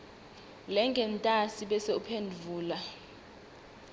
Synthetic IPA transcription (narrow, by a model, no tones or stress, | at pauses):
lɛŋɡʱɛntʼasiɓɛseupʰendʱuːla